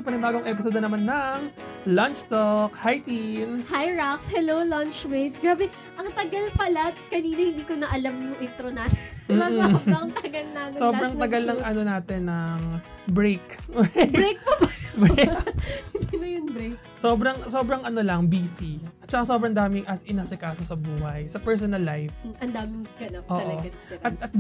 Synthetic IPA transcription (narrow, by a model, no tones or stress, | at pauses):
sɐpɐnɪbaːɡoŋʔɛpɪsod̪onɐmanːɐŋlɐnt͡ʃt̪okhajt̪inhajɹakshɛlowlɐnt͡ʃmejt̪sɡɾaːbɛ | ʔɐŋt̪ɐɡɐlpɐlat̪̚kɐniːnɐhɪnd̪iːkonɐʔɐlɐmnʊŋʔɪt̪ɾonasm̩ːŋt̪ɐɡɐlnasobɾɐŋt̪ɐɡɐlnɐŋʔɐno̞naːt̪ɛnːɐŋ | bɾejkwɾejk̚pɐbɐb | ɪnd̪inɐjʊnbɾejk | soːbɾɐŋsoːbɾɐŋʔɐnolɐŋbiːsiʔɐt̪̚t͡ʃɐkaso̞ːbɾɐŋd̪aːmɪŋʔɐsʔɪnasɪkaːsosɐbuːhɐjsɐpɛɹs̬onɐlːajfʔɐnd̪aːmɪŋɡɐnap̚ʔoːɐʔlɐoɡaʔɐt̪̚ɐt̪̚